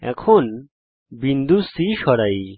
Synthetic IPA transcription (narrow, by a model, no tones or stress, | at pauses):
ɛ̰kʰon | bind̪ʱusiʃɔɾaj